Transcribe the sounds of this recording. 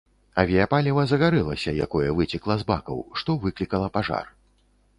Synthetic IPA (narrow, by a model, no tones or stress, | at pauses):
ɐvʲijapalʲivɐzɐɣaɾɛlˠɐsʲɐja̰kɔjɛvɨt͡sʲiklˠɐzba̰kɐ̰wʂt̪ɔvɨklʲikɐlˠɐpaʐa̰r